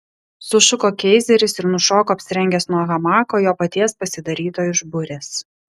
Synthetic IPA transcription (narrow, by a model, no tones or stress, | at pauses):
sʊʃʊkoːkʲɛɪzʲɛɾʲɪsɪɾnʊʃoːkoːɐpʲsʲɪɾʲɛŋʲɡʲɛsnuɔɣɐmɑːkoːjoːpɐt̪ʲiɛspɐsʲɪd̪ɐɾʲiːt̪oːjɪʒbʊɾʲeːs